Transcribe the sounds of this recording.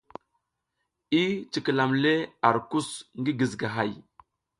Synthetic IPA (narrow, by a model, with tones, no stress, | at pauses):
i˦t͡ʃi˨kə˨la˨mle˦a˨ɾku˦sŋɡi˦ɡi˨zɡa˨ɦa˨j